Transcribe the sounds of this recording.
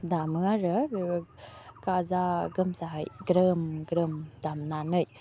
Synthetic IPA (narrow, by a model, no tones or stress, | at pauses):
d̪aməŋaɾəkazaɡəmsaɡɾəmɡɾəmd̪amnanəj